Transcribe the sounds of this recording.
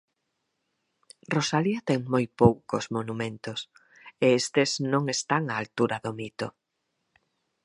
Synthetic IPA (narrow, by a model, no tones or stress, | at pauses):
rosaliat̪ɛŋmojpowkosmonumẽnt̪os | eest̪eznõŋest̪aŋaːlt̪uɾaðomit̪o